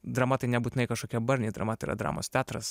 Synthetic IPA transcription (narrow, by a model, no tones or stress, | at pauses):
d̪ɾɐmɐt̪ɐɪnʲɛbuːt̪ʲɪnɐɪkɐʃkoːkʲɛbɐɾʲnʲeɪːd̪ɾɐ̰mɐt̪ɐɪiːɾɐ̰d̪ɾɑ̰ːmo̰ːst̪ʲæːt̪ɾɐs